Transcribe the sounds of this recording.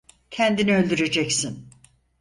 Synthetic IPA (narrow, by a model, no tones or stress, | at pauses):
cʰænd̪iniø̞lʲd̪yɾe̞d͡ʒɛcsin